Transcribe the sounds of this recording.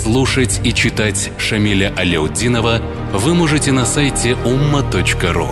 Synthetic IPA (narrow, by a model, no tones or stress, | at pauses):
slˠuʂətʲit͡ɕɪt̪atʲ | ʂɐmʲilʲəʔɐlʲɪʊdʲinəvə | vɨmoʐɨtʲɪnɐsajtʲɪʔumːət̪ot͡ɕkəɾṵ